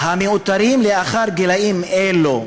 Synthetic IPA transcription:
hameut̪aɾimleaχaɾɡelaimelo

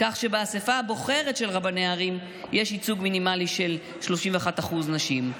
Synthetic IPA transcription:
kaχʃe̞beasefabo̞χe̞ʁetʃe̞lʁabaneaːʁim | jeʃit͡suɡminimaliʃe̞l | ʃlo̞ʃimveaχataχuznaʃim

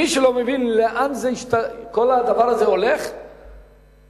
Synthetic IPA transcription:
iʃelo̞mevinleʔanzeiʃt̪ako̞lad̪avaʁazeo̞leχ

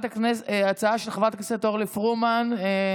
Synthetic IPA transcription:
t̪aknesat͡saaʃelχavʁat̪akneset̪oʁlifʁumane

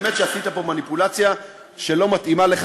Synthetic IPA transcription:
met̪ʃeasit̪apo̞manipulat͡sja | ʃe̞lo̞mat̪imale̞χ

